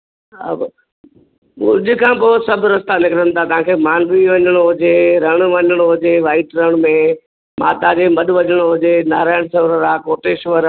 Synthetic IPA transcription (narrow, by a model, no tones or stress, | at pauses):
ɐ̰b | mʊ̃d͡ʑɪkʰãːpoːsɐbʱɾɐst̪anɪkɾənɪ̆t̪ʰat̪ɐʋãːkʰeːmaːnbiʋɐɲəɽ̃oɦʊd͡ʑeːɾɐɽ̃ʋɐɲəɽ̃oɦʊd͡ʑeːʋaːɪʈɾəɽ̃mẽ | maːt̪ad͡ʑeːmɐɗʋɐɲəɽ̃oɦʊd͡ʑeːnaːɾaːɪɽ̃sɐʋɾəɾaːkoːʈeːʃʋəɾ